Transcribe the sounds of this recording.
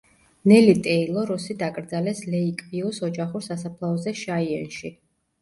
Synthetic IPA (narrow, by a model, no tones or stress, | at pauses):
nɛlit̪ʼɛilˠɔɾusid̪akʼɾd̪zalɛslɛikʼviusɔd͡ʒaχuɾsasapʰlˠaɔzɛʃaiɛnʃi